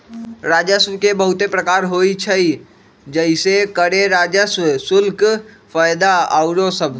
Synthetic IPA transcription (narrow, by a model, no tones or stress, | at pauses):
ɾad͡ʒəsʋkebəɦut̪epɾəkaːɾɦoit͡ʃʰəi | d͡ʒəisekəɾeɾad͡ʒəsʋsʊlk | pʰəjd̪aaʊɾosəbʱ